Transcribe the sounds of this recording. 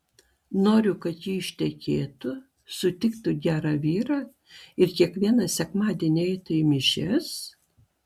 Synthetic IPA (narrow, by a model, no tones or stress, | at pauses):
noːɾʲʊkɐt̪jiːɪʃʲt̪ʲɛkʲeːt̪ʊ | sʊt̪ʲɪkt̪ʊɡʲæːɾɑːʋʲiːɾɑː | ɪɾkʲiɛkʋʲiɛnɐsʲɛkmɑːd̪ʲiɛnʲiɛɪt̪ʊimʲɪʃʲɛs